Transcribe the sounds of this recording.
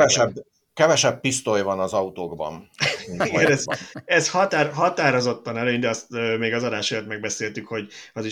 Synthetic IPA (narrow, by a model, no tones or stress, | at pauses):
ɛʃɛb | kɛvɛʃɛbpist̪ojvɒnɒzɒut̪oːɡbɒ̰niɡɛnɛzɛzhɒt̪aːrɦɒt̪aːɾo̞zo̞t̪ːɒnɛløːɲd̪ɛɒst̪øːmeːɡɒzɒd̪aːʃɒjot̪mɛɡ̚bɛseːlt̪ykho̞ɟɒzi